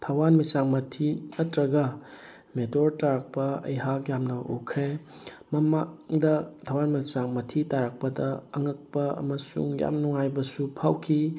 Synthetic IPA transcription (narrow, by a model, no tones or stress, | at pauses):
tʰawanmisaŋmɐtʰinɐtɾɐɡɐ | medoɾtaɾak̚pɐɐ̰jɦakjamnɐʔṵkʰɾe | mɐmadɐtʰawanmisaŋmɐtʰitaɾak̚pɐdɐːŋɐk̚pɐɐ̰mɐsṵŋja̰mnuŋajbɐsupʰawkʰi